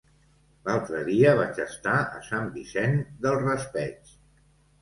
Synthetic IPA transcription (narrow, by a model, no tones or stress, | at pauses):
lalˠt̪ɾəðiəβat͡ʃəst̪aə̰sambisɛnd̪əlˠrəspɛt͡s